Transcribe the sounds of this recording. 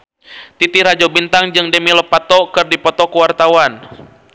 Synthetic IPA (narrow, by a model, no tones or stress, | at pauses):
t̪it̪iɾad͡ʒɔbint̪aŋd͡ʒɨŋdəmilɔpat̪ɔkɨrdipɔt̪ɔkuwart̪awan